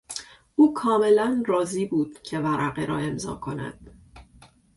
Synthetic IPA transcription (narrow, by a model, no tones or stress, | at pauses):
ʔuːkʰɒːme̞lænrɒːziːbuːd̪̥cʰe̞væɾʔæɣeɾɒ̰ːe̞mzɒ̰ːkʰo̞næ̰d̪̥